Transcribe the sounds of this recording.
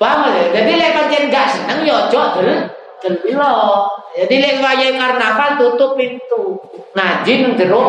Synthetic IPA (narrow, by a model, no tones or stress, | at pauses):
pamaled͡ʒadilepant͡ʃɛŋɡaʔsənəŋjɔ̥d͡ʒɔd̪̥əl | d̪̥ə̤lilɔd͡ʒadilewajaiŋarnapalt̪ut̪ʊpːint̪uŋad͡ʒinəŋd̪əɾʊ